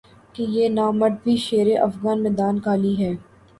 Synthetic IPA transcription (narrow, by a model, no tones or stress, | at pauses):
kejeːnaːmɐʈ̪̚bʱiʃeːɾeʔɐfɣaːnmɛːd̪aːnkaːliɦɛː